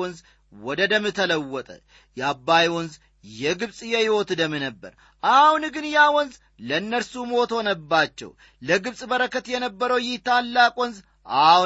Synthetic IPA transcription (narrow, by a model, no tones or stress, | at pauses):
ɔnz | wɔd̪əd̪əmːɨt̪ʰələwːɔt̪ʼə̰ | jɛabːajwɔnz | jɛɡɨβsʼjɛhɪwot̪d̪əmːɨnəbːə̰ɾ | ʔahunɡɨnjawɔnz | ləɨnːəɾsumot̪ɔnəbːat͡ʃːɛ̰w | ləɡɨβsʼbəɾəkːət̪jɛnəbːəɾəwjɪht̪alːakʼwɔnz | ʔah